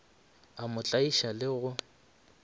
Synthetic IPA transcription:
amʊt͡ɬʼaiʃalɪɣʊ

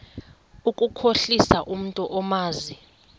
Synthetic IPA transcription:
ukʼukʰoɬisaʔum̩ntʼɔʔɔmaːzi

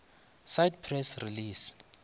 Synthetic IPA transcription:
sajd̚pʰrɛsriliːs

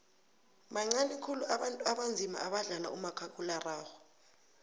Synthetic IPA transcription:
maŋ͡ǀanikʰuluaɓantʼuaɓand͡zʱima̰ʔaɓaɮala̰umakʰakʼularaːxɔ

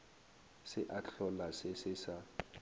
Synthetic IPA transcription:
sɪʔaɬɔlasɪsɪsa

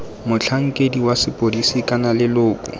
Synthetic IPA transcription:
mʊt͡ɬʰaŋ̩kʼediwasɪpʼodisikʼanalɪlʊːkʼʊ̰

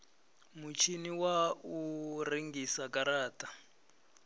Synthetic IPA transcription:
mut͡ʃʰiniwauriŋɡisakaɾaːta

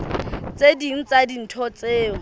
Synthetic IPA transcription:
t͡sʼediŋ̩t͡sʼadin̩tʰɔt͡sʼeːŋ̩

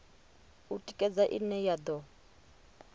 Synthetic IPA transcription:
utʼikʼɛd͡zaʔḭnɛjad̪ɔ

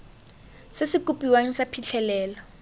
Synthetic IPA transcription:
sɪsɪkʼupʼiwaŋ̩sapʰiɬʰɛlɛːlɔ

